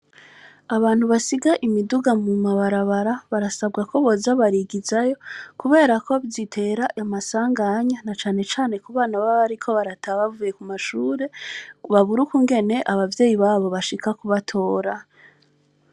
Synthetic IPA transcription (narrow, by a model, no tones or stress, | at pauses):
aβaːn̥huβasiɡaʔimiduɡamumaβaɾaβaɾaβaɾasabɡakʰo̞βo̞zaβaɾiɡizajo̞kuβe̞ːɾakʰo̞βzitʰe̞ːɾaʔamasaːŋɡaɲanat͡ʃaːne̞t͡ʃaːne̞kuβaːnaβaβaɾikʰo̞βaɾatʰaβavuje̞kumaʃuːɾe̞βaβuɾukuŋɡe̞ne̞ʔaβavje̞ːjiβaːβo̞βaʃikakuβatʰo̞ːɾa